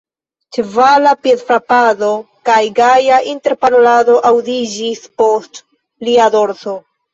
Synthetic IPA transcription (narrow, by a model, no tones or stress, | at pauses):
t͡ʃevalapjedfɾapado̞ | kajɡajaʔinte̞ɾpanolado̞ʔawdid͡ʒispo̞st | liado̞ɾzo̞